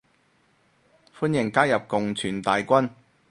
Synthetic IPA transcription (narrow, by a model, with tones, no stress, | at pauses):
fuː˥njɪ˨˩ŋkaː˥jɐ˨p̚kʊ˨ŋt͡sʰyː˨˩nt̪aː˨jkʷɐ˥n